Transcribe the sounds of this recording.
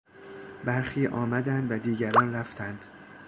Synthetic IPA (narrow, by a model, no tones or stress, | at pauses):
bæɾxiːʔɒːmæd̪ænd̪væd̪iːɟæɾɒːnɾæft̪ʰænd̪̥